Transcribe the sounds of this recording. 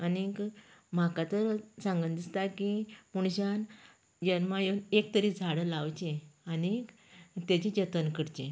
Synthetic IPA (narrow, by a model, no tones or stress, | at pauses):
anikm̤akat̪əɾsãŋɡənd̪ist̪akimuɳ̃ɕan | jənmajenek̚t̪əɾiːd͡zʱaɽəlawt͡ɕẽanik | t̪jat͡ɕid͡ʑət̪ənkəɽt͡ɕẽ